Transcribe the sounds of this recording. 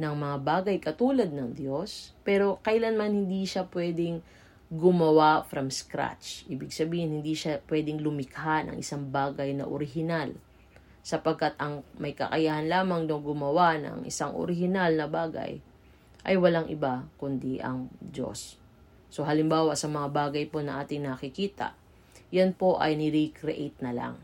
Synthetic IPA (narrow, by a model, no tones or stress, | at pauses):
nɐŋmɐŋabaːɡɐjkɐt̪uːlɐd̪̚nɐŋd̪jo̞spɛːɾo̞kɐjlanmanhɪnd̪iʃapwɛːd̪ɪŋ | ɡʊmɐwafɾɐmskɾa̰t͡ʃʔiːbɪɡsɐbiːhɪnhɪnd̪iʃapwɛd̪ɪŋlʊmɪkɦanɐ̰ŋʔɪsaŋbaːɡɐjnɐ̰ʔo̰ɾɪɦɪnal | sɐpɐɡ̚kat̪̚ʔɐŋmɐjkɐkɐjaːhɐnlaːmɐŋnowɡʊmɐwanɐ̰ŋʔɪ̰saŋʔo̰ɾɪhɪnalnɐbaːɡɐ̰j | ʔɐ̰jwɐlaŋʔɪbakʊnd̪iʔɐ̰ŋd͡ʒo̰sː | oɦɐlɪmbaːwɐsɐmɐŋabaːɡɐjpo̞nɐʔaːt̪ɪŋnɐkɪkiːt̪ɐ̰ʔ | janpo̞ʔɐ̰jnɪɾikɾɛʔejt̪̚nɐla̰ŋ